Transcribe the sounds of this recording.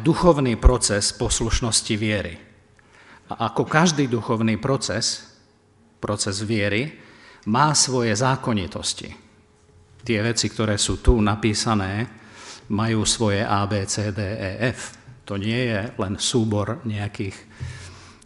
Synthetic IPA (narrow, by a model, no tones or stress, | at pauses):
d̪uxɔʊniːpɾɔt͡sɛspɔsluʃnɔsciʋɪɛɾḭ | aʔakɔkaʒd̪iːd̪uxɔʊniːpɾɔt͡sɛs | pɾɔt͡sɛzʋɪɛɾimaːsʋɔjɛzaːkɔɲit̪ɔscḭ | t̪ɪɛʋɛt͡sik̚t̪ɔɾɛːsuːt̪unapiːsanɛː | majuːsʋɔjɛʔaːbɛːt͡sɛːd̪ɛːɛːʔɛft̪ɔɲɪɛjɛlɛnsuːbɔɾɲɛakiːx